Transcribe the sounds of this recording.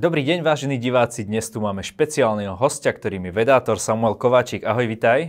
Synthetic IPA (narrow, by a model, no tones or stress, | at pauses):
d̪ɔbɾiːɟɛɲʋaːʒɛniːɟiʋaːt͡sid̪ɲɛst̪umaːmɛʃpɛt͡siaːlnɛɦɔɦɔscakt̪ɔɾiːmiɛʋɛd̪aːt̪ɔɾsamuɛlkɔʋaːt͡ʃiːɡaɦɔjʋit̪aj